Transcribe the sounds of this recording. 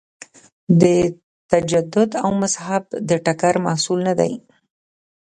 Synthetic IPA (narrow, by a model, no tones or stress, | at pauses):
d̪ə | t̪ad͡ʒad̪ʊd̪awmashabd̪əʈakaɾmahsulnad̪a̰j